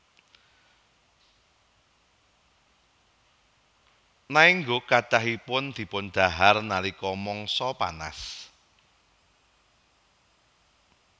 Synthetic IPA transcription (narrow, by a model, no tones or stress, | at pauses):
naiŋɡokaɖ̥aɦipʊnd̪̥i̤pʊnɖ̪̥a̤ɦarnalikɔmɔŋsɔpa̰na̰s